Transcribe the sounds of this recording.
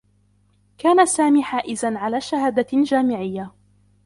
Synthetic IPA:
kaːnasaːmiːħaːʔɪzanʕalaːʃahaːd̪ad͡ʒaːmɪʕɪjːa

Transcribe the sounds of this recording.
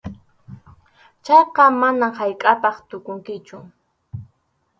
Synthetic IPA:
t͡ʃɑjqɑmanamhajkʼapɑχt̪ʊkʊŋkɪt͡ʃʊ

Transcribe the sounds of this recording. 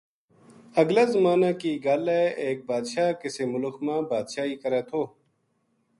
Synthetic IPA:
əɡlaːzəmaːnaːkiːɡaːleːeːk̚baːd̪ʃaːkɪseːmʊlʊxmãːbaːd̪ʃaːiːkəɾɛːt̪ʰoː

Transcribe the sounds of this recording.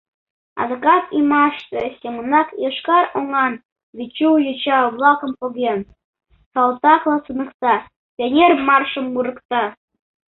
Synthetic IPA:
ɑ̰ðokɑt̪imɑʃt̪ĕsʲemənɑkjɤʃkɑɾoŋɑn | βʲit͡ɕuwjɤ̆t͡ɕɑβlˠɑkɤ̆mpoɣʲen | sɑlt̪ɑklˠɑsɯnɤ̆kt̪ɑ | tʲenʲermɑrʃə̆mːuɾɤ̆kt̪ɑ

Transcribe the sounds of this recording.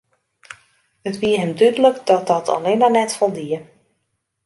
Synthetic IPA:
ətʋiəɦɛmdydələkdɔt̚dɔtʰɔ̰lenanɛtfɔlˠdiə

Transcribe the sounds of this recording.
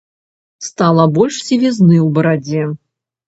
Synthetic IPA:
st̪alˠɐbɔlʲʂsʲivʲiznɨwbɐɾad͡zʲɛ

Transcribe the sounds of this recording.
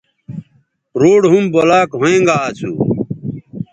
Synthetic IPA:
ɾoːɽɦumbolaːkɦoẽːŋɡaːt͡ɕʰṵ

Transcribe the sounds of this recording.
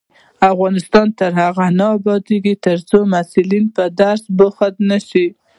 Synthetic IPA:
afɣɑnɪst̪ɑnt̪əɾhaɣanaːbɑd̪eɡit̪əɾt͡somasulinpəd̪aɾsbʊxad̪naʃi

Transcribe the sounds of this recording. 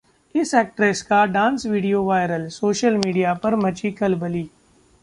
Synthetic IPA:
ɪsɛːk̚ʈɾeːskaɖãːnsʋiːɖijoːʋaːɪɾəlsoːʃəlmiːɖijapɐɾmɐt͡ʃikɐlbəliː

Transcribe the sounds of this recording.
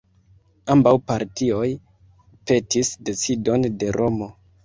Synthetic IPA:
ambawpaɾtio̞j | pe̞tisde̞t͡sido̞nde̞ɾʔo̞mo̞

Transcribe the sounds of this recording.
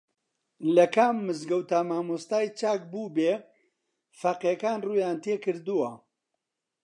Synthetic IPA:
lɐkaːmːɨzɡɐwt̪aːmaːmust̪aːjt͡ʃaːk̚buːbeː | faqekaːnruːjaːnt̪eːkɨɾd̪uwɐ

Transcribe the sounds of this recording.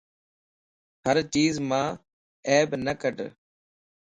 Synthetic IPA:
həɾt͡ʃiːzmãː | eːbnəkəɖ

